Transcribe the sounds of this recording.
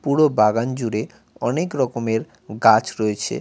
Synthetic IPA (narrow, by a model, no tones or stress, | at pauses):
puɽobaɡand͡ʑuɾe | ɔnekɾɔkomeɾ | ɡat͡ɕɾɔet͡ɕʰḛ